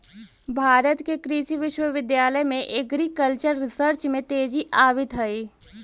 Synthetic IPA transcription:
bʱaːɾət̪kekɾiʃiʋɪʃwəʋɪd̪jaːləjmẽʔɪɡɾikəlt͡ʃəɾːɪsəɾt͡ʃmẽt̪eːd͡ʒiʔaːʋɪt̪ɦɐi

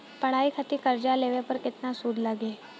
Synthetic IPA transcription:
pɐɽ̤aːikʰət̪ikɐɾd͡ʒaleːʋepɐɾkɪt̪nasuːd̪lɐɡeː

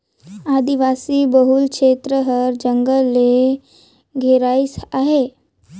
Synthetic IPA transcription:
ad̪iʋasibəɦulkʃet̪ɾəɦəɾd͡ʒəŋɡəlːe | ɡʱeɾaisaɦe

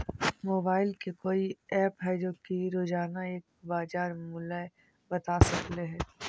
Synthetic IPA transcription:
moːbaːɪlkekoːiɛːpɦɛd͡ʒoːkiɾoːd͡ʒaːnaeːk̚baːd͡ʒaːɾmʊla | bɐt̪asɐkleɦɛː

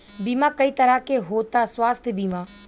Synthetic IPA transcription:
biːmãːkəiːt̪əɾaːkeɦoːt̪aːswaːst̪ʰbiːmãː

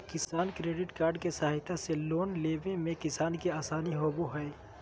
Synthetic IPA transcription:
kɪsaːnkɾeːɖɪʈkaːɾɖkesɐɦaɪt̪ʰaseloːnleːʋẽmẽkɪsaːnkiaːsaːniɦoboɦɛe

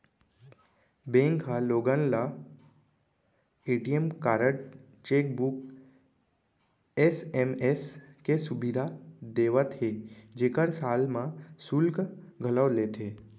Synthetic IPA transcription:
bẽŋkʰɦaloːɡənla | eːʈijəmkaːɾəʈ | t͡ʃeːk̚buk | esemeskesʊbɪd̪ʱad̪eːʋət̪ɦed͡ʒekəɾsaːlmãsʊlkɡʱələʋleːt̪ʰeː

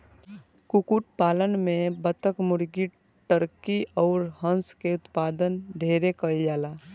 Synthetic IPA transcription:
kukuːʈpaːlənmẽbət̪əkmʊɾɡi | ʈəɾkiɔːɾɦə̃nskeʊt̪paːd̪ənɖʱeːɾekəid͡ʒaːlaː

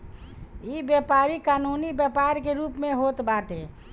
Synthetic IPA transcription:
iːbjepaːɾikaːnuːnibjəpaːɾkeɾuːpmẽɦoːt̪baːʈe

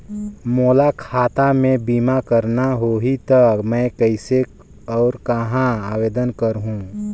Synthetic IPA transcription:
moːlakʰaːt̪amẽbiːmakəɾnaɦoɦit̪əkmɛ̃kəɪse | ɔːɾkəɦãaːweːd̪ənkəɾɦũ

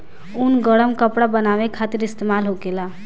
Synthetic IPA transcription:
unɡəɽəmkəpɽabənaβekʰat̪iɾist̪emalɦoɡela

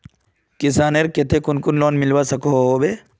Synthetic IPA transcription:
kɪsaːneɾket̪ʰekʊnkʊnlɔːnmɪlʋasɐkoɦoːbe

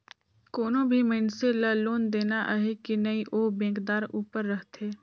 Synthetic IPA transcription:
koːnõbʱimɪ̃nselɐloːnd̪eːnaʔɦekinɐiʔoːbẽːkd̪aːɾuːpəɾːəɦt̪ʰeː

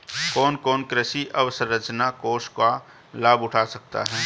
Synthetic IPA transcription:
kɔːnkɔːnkɾəsiʔɐʋsəɾːət͡ʃnakoːʃka | laːbʊʈʰasɐk̚t̪a̰ɦɛː

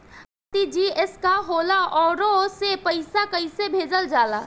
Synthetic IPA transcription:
t̪id͡ʒiɪskaɦoːlaʔɔːɾosepəɪsakəisebʱeːd͡ʒəld͡ʒaːlaː

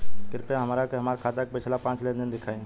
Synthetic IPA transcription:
kɪɾpẽɦɐmaːɾakeɦɐmaːɾkʰaːt̪ak̚pɪt͡ʃʰlapãːt͡ʃlend̪ɪnd̪ɪkʰaːẽː

